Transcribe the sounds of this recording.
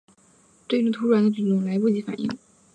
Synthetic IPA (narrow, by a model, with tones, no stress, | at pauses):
ʈ͡ʂɤ˥˧ɪ˥ʈ͡ʂʊ˥˩t̪ʰu˥ɻa˧˥nd̪ə˧t͡ɕy˨˩t̪ʊ˥˩ŋla˧˥ɪpu˥˩t͡ɕi˧˥fa̰˨˩nʔḭ˥˩ŋ